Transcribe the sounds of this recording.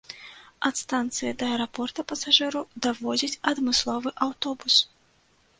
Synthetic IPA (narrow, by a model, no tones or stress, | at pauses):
ɐt̪st̪ant̪sɨjɐd̪ɐɐɾapɔrt̪ɐpɐsaʐɨɾud̪avɔd͡zʲit͡sʲɐd̪mɨslˠɔvɨʔawt̪ɔbus